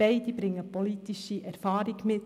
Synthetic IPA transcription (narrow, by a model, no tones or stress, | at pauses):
ɛɪd̥̪ibɾɪŋːəpɔlit̪iʃiʔɛɾfɑːɾiɡmɪt